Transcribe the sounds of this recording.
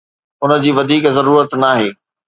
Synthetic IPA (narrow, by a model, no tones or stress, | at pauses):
ʊnə̆d͡ʑiːʋɐd̪ʱiːkzɐɾuːɾət̪naːɦeː